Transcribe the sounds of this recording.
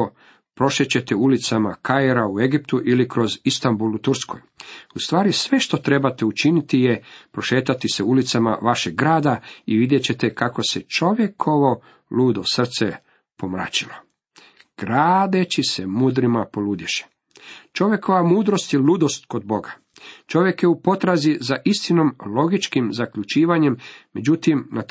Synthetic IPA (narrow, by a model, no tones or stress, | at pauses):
o | pɾo̞ʃet͡ɕe̞t̪eulit̪samakajeɾaue̞ɡipt̪uʔilikɾo̞zist̪ambulˠut̪uɾsko̞̰just̪ʋaːɾisʋe̞ʃt̪o̞t̪ɾe̞bat̪eut͡ʃinit̪ijepɾo̞ʃe̞ːt̪at̪iseulit̪sama̰ʋaʃeɡɡɾaːd̪aiʋid̪je̞t͡ɕe̞t̪ekako̞set͡ʃo̞ʋje̞kʰo̞ʋo̞ | luːd̪osr̩t̪se | po̞mɾa̰ːt͡ɕilo | ɡ̥ɾaːd̪e̞t͡ɕisemuːd̪ɾimapo̞lud̪jeʃe̥ | t͡ʃo̞ʋje̞kʰo̞ʋamuːd̪ɾo̞st̪jeluːd̪o̞st̪ko̞d̪̚bo̞ɡa | t͡ʃo̞ʋjekjeupo̞t̪ɾazizaʔist̪ino̞mlo̞ɡit͡ʃkimzakʎut͡ʃiːʋaɲe̞mːe̞d͡ʑut̪imna